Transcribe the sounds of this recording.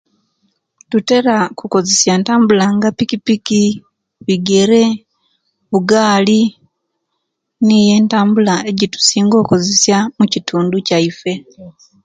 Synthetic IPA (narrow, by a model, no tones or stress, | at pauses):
tute̞ɾakuko̞zesjaːntaːmbulaŋɡapikipiki | βiɡe̞ɾe̞ | βuɡaːli | nije̞ːntaːmbulae̞ɟitu̥siːŋɡo̞ːko̞zesjamucitʰuːnducaife̞